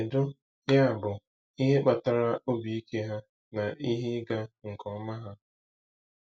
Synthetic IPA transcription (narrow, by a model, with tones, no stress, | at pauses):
e˨dʊ˦ | ja˦a˨bʊ˨ | i˦ɦe˦k͡pa˨ta˦ɾa˦ʔo˦bi˨i˦kʰe˦ɦa˦ | na˨ʔi˦ɦi˦ɡa˦ŋ̩˨kɔ˦ma˦ɦa˦